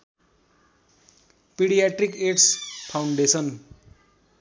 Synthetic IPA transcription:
piɽijaʈrikeʈspʰawɳɖesʰʌn

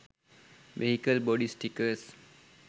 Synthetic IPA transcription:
ʋḛɦikəlbɔɖisʈikəɾs

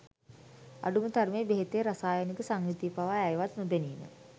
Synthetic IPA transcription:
a̰ɖumət̪armeːbeɦet̪eːɾasaːjənikəsaŋrit̪ipaʋaæjʋat̪nubeniːmə̰

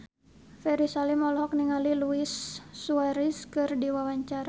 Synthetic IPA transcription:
fɛɾisalimɔlhɔk̚niŋaliluisːuaɾiskɨrdiwawaɲt͡ʃaɾa

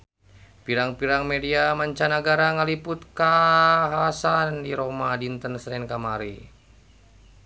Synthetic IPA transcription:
piɾaŋpiɾaŋmediamaɲt͡ʃanaɡaɾaŋaliput̪̚kaɦasandiɾomadint̪ənsɾɛnkamaɾi

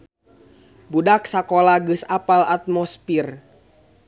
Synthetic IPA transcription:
budak̚sakolaɡəsapalat̪̚mɔspir

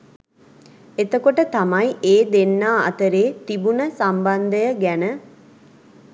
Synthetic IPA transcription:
et̪əkoʈət̪ɐmɐjiʔeːd̪enːaːɐ̰t̪əɾeːt̪ibunəsɐmbɐnd̪əjəɡænə

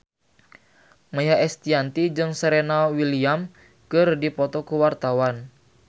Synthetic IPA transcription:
majaɛst̪iant̪id͡ʒɨŋsɛɾɛnawiliam | kɨrdipɔt̪ɔkuwart̪awan

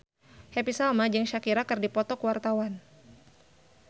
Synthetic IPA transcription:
hepisalmad͡ʒɨŋʃakiɾakɨrdipɔt̪ɔkəwart̪awan

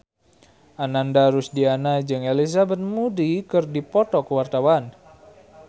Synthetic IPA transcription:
ʔanandaɾʊsdianad͡ʒɨŋelis̬abət̪̚mudikɨrdipɔt̪ɔkəwart̪awan

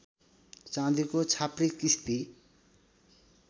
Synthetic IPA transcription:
t͡sãd̪ikot͡sʰaprikist̪i

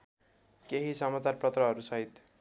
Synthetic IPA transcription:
keɦisʌmat͡sarprʌt̪rʌɦʌɾusʌɦit̪

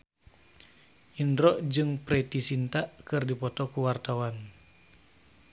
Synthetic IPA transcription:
ʔindɾɔʔd͡ʒɨŋpɾet̪isint̪aʔkɨrdipɔt̪ɔkuwart̪awan

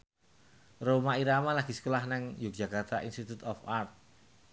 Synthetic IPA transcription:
romaiɾamalaɡ̥isə̥kolahnaŋjʊk̚dʒ̥a̤kart̪aʔinst̪it̪ut̪ɔfart̪̚

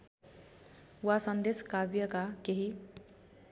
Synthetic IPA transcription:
wasʌnd̪eskabjʌkakeɦi

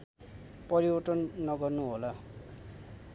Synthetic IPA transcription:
pʌɾiwʌʈʌnːʌɡʌrnuɦola

